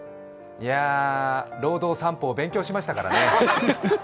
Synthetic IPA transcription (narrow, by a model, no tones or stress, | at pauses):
ia | ɾo̞ːd̪o̞ːsãmpo̞ːbẽ̞ŋkʲoːɕimaɕi̥t̪akaɾa̰ne̞